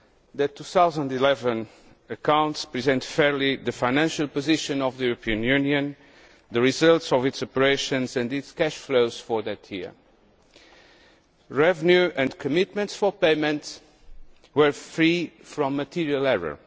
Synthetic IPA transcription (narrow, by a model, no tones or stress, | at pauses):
ðɨt̪ʰːuθawzə̃ndilɛvə̃n | ɨkãw̃ntspɹizɛ̃ntfɛɹliðɨfaɪnæ̃nʃalˠpozɪʃɨ̃nɔvðəjuɹəpʰiɨ̃njʉnjɨ̃n | ðəɹizʌlˠtsɔvɪtsɔpəɹeɪʃɨ̃nzɨ̃nditskɛʃfloʊz̥fɔɹðɨtʰjḭɹ | ɹɛvənjuɨ̃ndkʰɨmɪt̪̚mɨ̃ntsfɔ˞peɪmɨ̃nts | wə˞fɹifɾɔ̃mːətʰiɹiəlˠɛɹə̰˞